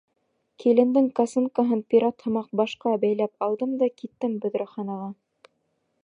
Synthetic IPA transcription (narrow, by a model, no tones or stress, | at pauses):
kilɘ̆nd̪ɘŋkasuŋkaɦɤnpʲiɾat̪hɤ̆mɑq̚bɑʃqɑbæjlæpɑlˠd̪ɤmd̪ɑkit̪ːɘmbɵ̆ðɾɑ̆χɑnɑʁɑ